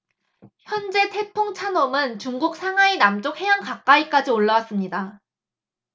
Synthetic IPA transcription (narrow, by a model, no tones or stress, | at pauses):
çjʌnd͡ʑe̞tʰe̞pʰoŋt͡ɕʰanomɯnt͡ɕuŋɡuk̚sʰaŋɦainamt͡ɕ͈ok̚he̞jaŋkak͈aik͈ad͡ʑioɭːawas͈ɯmɲida